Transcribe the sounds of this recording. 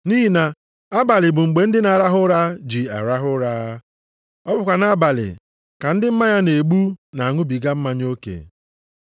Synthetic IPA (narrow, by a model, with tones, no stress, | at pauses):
ni˦ɦi˦na˨ | a˦ba˨lɪ˨bʊ˨ŋ͡m̩˨ɡ͡be˨n̩˦dɪ˦na˨ɾa˦ɦʊ˦ɾa˦d͡ʒi˨a̰˨ɾa˦ɦʊ˦ɾa˦ | ɔ˦bʊ˨kʷa˨na˦ba˨lɪ̰˨ | ka˨n̩˦dɪ˦m̩˦ma˦ɲa˦ne˨ɡ͡bu˦na˨a˨ŋʊ˦bi˨ɡa˦m̩˦ma˦ɲ˦o˦kḛ˨